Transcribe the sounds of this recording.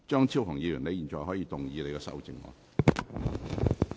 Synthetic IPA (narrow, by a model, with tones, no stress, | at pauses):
t͡ʃœː˥ŋt͡sʰiː˥whʊ˨˩ŋjiː˧jy˨˩nle˧jiː˨nt͡ʃɔː˨˧jhɔː˨˥jiː˧t̪ʊ˨ŋjiː˨˧le˧kɛː˧sɐ̰˥wt͡sɪ̰˨˧˩ŋwɔ̰ː˨˧˩